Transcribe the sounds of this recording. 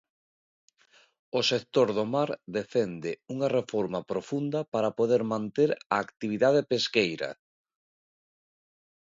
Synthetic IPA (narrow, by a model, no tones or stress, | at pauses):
osek̚t̪oɾðomaɾd̪efɛnd̪ɪuŋɐrefoɾmɐpɾofund̪ɐpaɾapoðeɾmãnt̪eɾaːkt̪iβ̞iðað̞epeskejɾɐ̰